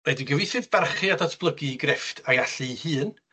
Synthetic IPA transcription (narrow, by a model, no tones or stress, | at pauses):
wɛdiɡəvɨθɨðb̥arχɨadɔtʰb̥lˠəɡiɡrɪftʰajaɬɨhɨːn